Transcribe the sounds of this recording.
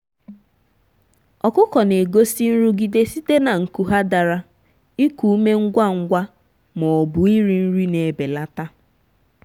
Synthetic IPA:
ɔ˨kʊ˦kɔ˨ne˨ɡo˦si˦n̩˦ɾu˦ɡi˦de˦si˦te˦na˨ŋ̩˨ku˨ɦa˦da˨ɾa˦ | i˦ku˨u˦me˦ŋ̩˦ɡʷa˦ŋ̩˦ɡʷa˦ | mɔ˨bʊ˨i˦ɾi˨n̩˦ɾi˦ne˨be˨la˦ta˦

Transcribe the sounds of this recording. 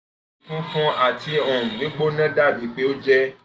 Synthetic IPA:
fũ˦fɔ̃˦a˦˨ti˧ɔ̃˨nĩ˨˦ɡ͡bo˦nã˦da˦˨bi˨˦k͡pe˨˦o˦d͡ʒɛ˦

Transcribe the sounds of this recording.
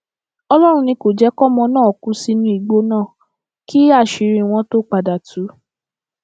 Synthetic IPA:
ɔ˧lɔ˦ɾ̃ũ˧nĩ˧ko˨d͡ʒɛ˨˦kɔ˦mɔ̃˧nãː˦˨ɔ˨kũ˨˦si˧nũ˧˦i˨ɡ͡bo˧˦nãː˦˨ | kʰi˦a˦˨ʃi˨ɾĩ˧˨w̃ɔ̃˧to˦k͡pa˨da˨tu˨˦

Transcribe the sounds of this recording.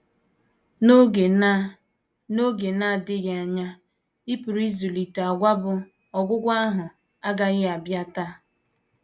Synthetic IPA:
o˦e˨˦ | no˦ɡe˨na˦˨dɪ˦ɣa˨ɲa˦ | i˦pu˨ɾi˦zu˨li˨ta˨ɡʷa˦bʊ˨ | ɔ˨ɡʷʊ˦ɡʷa˦ɦʊ˨ | a˦ɡa˨ɣɪ˦˨a˨bja˦ta˦˨

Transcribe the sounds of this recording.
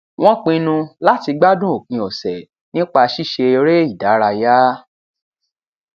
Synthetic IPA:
w̃ɔ̃˦k͡pĩ˧nũ˧la˦ti˧ɡ͡ba˦dũ˦o˨kĩ˧ɔ˨sɛ˨ | nĩ˦k͡pa˧ʃi˦˨ʃe˧ɾe˦i˦˨da˨˦ɾa˧ja˦

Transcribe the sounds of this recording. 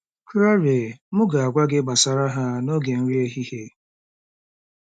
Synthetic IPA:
kɾa˦ɾe˨mʊ˦ɡa˨a˨ɡʷa˦ɡɪ˦ɡ͡ba˨sa˨ɾa˦ɦa˦no˦ɡe˨n̩˦ɾi˦e˦ɦi˦he˦

